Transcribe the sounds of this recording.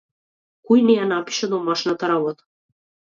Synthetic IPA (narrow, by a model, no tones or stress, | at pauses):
kɔjnɛjanapi̥ʃɛd̪ɔmaʃnat̪aɾabɔt̪ḁ